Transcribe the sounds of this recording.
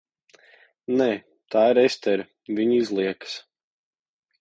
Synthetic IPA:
nɛː | t̪ʰaːiɾɛst̪ɛɾ | vʲiɲizlˠiɛks

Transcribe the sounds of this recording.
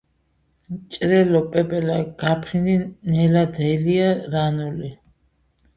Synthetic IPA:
t͡ʃʼɾɛlɔpʼɛbɛlaɡ̥apʰɾind̪inɛlad̪ɛliaɾanuli

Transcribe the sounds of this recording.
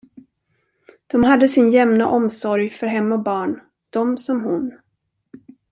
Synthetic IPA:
d̪̥ɔmɦad̪ːəsɪnjɛmna̰ʔɔmsɔɾjfœɾɦɛmːaɔbɑːɳ | d̪̥ɔmsɔmɦʊn

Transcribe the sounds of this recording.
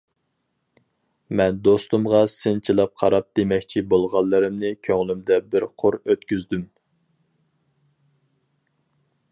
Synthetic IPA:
mɛnd̪ost̪umʁɑsɨnt͡ʃʰilˠɑp̚qʰɑɾɑp̚d̪̥emɛkʲt͡ʃʰibolˠʁɑlˠːɨɾɨmnɪkʲʰøŋlymd̪ɛbɪɾqʰʊɾøt̪kʲyzd̪ym

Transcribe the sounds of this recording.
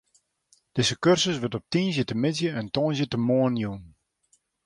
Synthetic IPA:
d̥ɪzəkørsəsʋətɔp̚tiːnzjətəmɪtzjəɛntɔnzjətəmoənjun

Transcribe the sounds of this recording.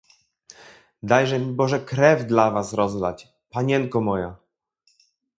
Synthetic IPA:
d̪ajʐɛmʲibɔʐɛkɾɛvd̪lavasɾɔzlat͡ɕ | paɲɛŋkɔmɔja

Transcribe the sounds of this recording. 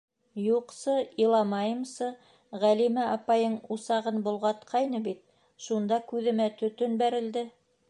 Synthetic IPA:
juqsɤilˠɑmɑjɤ̆msɤ | ʁælimæʔɑpɑjɤɴusɑʁɤnbŏlˠʁɑt̪qʰɑjnɤbit̪̚ | ʃund̪ɑkʉðɘ̆mæt̪ɵ̆t̪ɵnbæɾɘ̆ld̪ɘ

